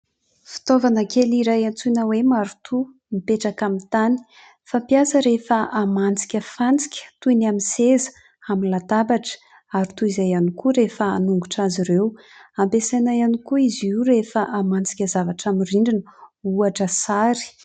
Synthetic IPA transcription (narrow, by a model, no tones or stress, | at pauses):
fi̥t̪ovanəkeliɾajant͡sunəwemaɾut̪ʰu | mipeʈ͡ʂakamint̪ani̥ | fampijasəɾefəamant͡si̥kʲəfant͡si̥kʲə̥t̪unaminsezə̥ | aminlat̪abaʈ͡ʂə̥ | aɾit̪uizajanikuɾefəanuŋɡuʈ͡ʂaziɾew | ampesanajanikuizuɾefəʔamant͡si̥kʲəzavaʈ͡ʂamiriɳɖ͡ʐinəuaʈ͡ʂəsaɾi̥